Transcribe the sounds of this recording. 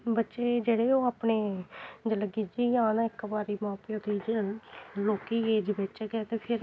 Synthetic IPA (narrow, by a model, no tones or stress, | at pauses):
bətːʃeːd͡ʒeːɽeːoːaːpneːd͡ʒələɡid͡ʒiːjãːnãːɪkbaːɾiːmãːpːoːd̪iːd͡ʒ | loːkiːeːd͡ʒbet͡ʃːɡɛːt̪eːpʰɪɾ